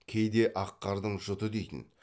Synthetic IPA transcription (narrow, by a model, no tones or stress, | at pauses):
kʲʰejd̪e̞ʔɑqːɑɾd̪əɴʒʊt̪əd̪ejt̪ɪ̰n